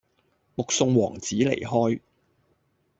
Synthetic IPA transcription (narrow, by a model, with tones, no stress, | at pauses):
mʊ˨k̚sʊ˧ŋwɔː˨˩ŋt͡siː˨˥lḛ˨˩jɦɔː˥j